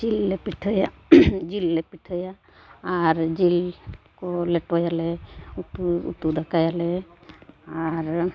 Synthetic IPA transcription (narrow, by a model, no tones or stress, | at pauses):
d͡ʒilːɛpiʈʰəjad͡ʒilːɛpiʈʰəjaː | ɾd͡ʒil | kɔlɛʈwajalɛutuṵt̪ud̪akajalɛ | aɾ